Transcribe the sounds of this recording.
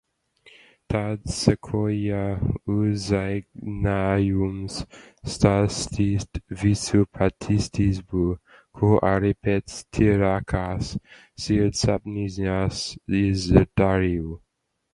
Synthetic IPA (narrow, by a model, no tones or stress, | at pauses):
t̪ʰadsəkʰojauzajknajumsstastʰistvisupʰatʰistʰisbu | kʰoʔaɾipʰɛtstʰiɾakʰasː | idsab̚nizasizɛdaɹiu